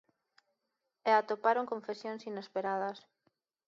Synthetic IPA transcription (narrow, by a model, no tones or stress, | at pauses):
eat̪opaɾoŋkõɱfesjoŋsinespeɾað̞ɐs